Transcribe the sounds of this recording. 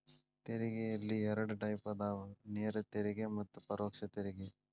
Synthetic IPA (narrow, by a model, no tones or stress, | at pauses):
t̪eɾiɡejɐlːiɛɾɐɽuʈɐjpɐd̪aːʋɐneːɾɐt̪eɾiɡemɐt̪ːupɐɾoːkʂɐt̪eɾiɡe